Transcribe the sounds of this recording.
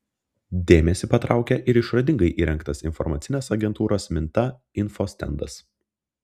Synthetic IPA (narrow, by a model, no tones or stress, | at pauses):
d̪ʲeːmʲɛsʲɪpɐt̪ɾʔɑˑʊkʲɛʔɪɾɪʃɾɐd̪ʲɪŋɡɐɪʔiːɾʲɛŋkt̪ɐsɪnfɔ̰ɾmɐt̪sʲɪnʲeːsɐɡʲɛnt̪uːɾoːsmʲɪnt̪ɐ | ɪnfosʲt̪ʲɛ̰nd̪ɐs